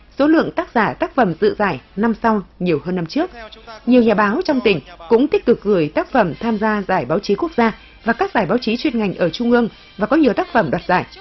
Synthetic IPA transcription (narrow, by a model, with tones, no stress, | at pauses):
so˨˦lɨ̰˧˨əŋt̪aː˦˥k̚zaː˧˩t̪aː˦˥k̚fə˧˩mzɨ̰˧˨zaː˧˩jna˧msa˧wɲi˨˩əwhəː˧nːa˧mt͡ɕɨ˦˥ək̚ɲi˨˩əwɲaː˨˩ɓaː˨˦wt͡ɕɔ˧wŋ͡mt̪ï˧˩ŋ̟kʊ̰˧˥ŋ͡mt̪i˦˥k̚t̪ɨ˨˩k̚ɣɨ˧˩əjt̪aː˦˥k̚fə˧˩mt̪ʰaː˧mzaː˧zaː˧˩jɓaː˨˦wt͡ɕi˨˦ku˦˥ək̚z̥aː˧ | vaː˨˩kaː˦˥k̚zaː˧˩jɓaː˨˦wt͡ɕi˨˦t͡ɕwi˧ənŋa˨˩ŋ̟ʔəː˧˩t͡ɕʊ˧ŋ͡mʔɨ˧əŋ | vaː˨˩kɔ˨˦ɲi˨˩əwt̪aː˦˥k̚fə˧˩mɗwaː˨˩t̚zaː˧˩j